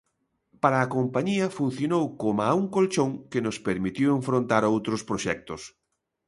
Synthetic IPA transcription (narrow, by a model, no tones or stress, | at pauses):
paɾɐːkompaɲiɐfun̟θjonowkomauŋkolt͡ʃoŋkɪnʊspeɾmit̪iweɱfɾont̪aɾowt̪ɾʊspɾoʃɛk̚t̪ʊs